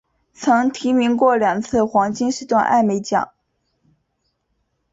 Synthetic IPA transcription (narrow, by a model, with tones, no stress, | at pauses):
t͡sʰɤ˧˥ŋt̪ʰi˧˥mi˧˥ŋkwɔ˥˩ljɑ˨˩ŋt͡sʰɹ̩˥˩xwɑ˧˥ŋt͡ɕi˥nʂɻ̩˥˧t̪wa˥˧nʔa̰˥˩ɪme˧˥ɪt͡ɕjɑ̰˨˩˦ŋ